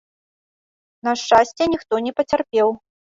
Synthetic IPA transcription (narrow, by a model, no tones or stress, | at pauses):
nɐʂt͡ʂasʲt͡sʲɛnʲixt̪ɔnʲɛpɐt͡sʲarpʲɛw